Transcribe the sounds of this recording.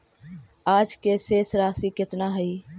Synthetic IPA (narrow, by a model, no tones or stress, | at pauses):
aːd͡ʒkeseːsɾaːsikɪt̪naɦəiː